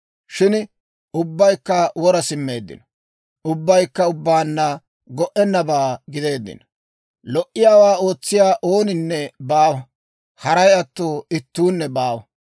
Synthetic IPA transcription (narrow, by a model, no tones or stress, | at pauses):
ʃɪn | ʊbːɐjkːɐwɔɾɐsɪmːe̞ːd̪ːɪ̰nɔ̥ | ʊbːɐjkːɐʊbːaːnːɐ | ɡɔʔɛnːɐbaːɡɪd̪e̞ːd̪ːɪ̰n | lɔʔːɪjaːwaːo̞ːt͡sːɪjaːʔo̞ːnɪnːɛbaːwɐ | hɐɾɐjɐt̪ːoːɪt̪ːuːnːɛbaːwɐ